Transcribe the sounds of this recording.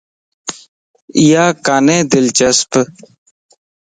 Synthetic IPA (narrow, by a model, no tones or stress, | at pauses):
ijaːkaːnẽːd̪ɪlt͡ʃəsp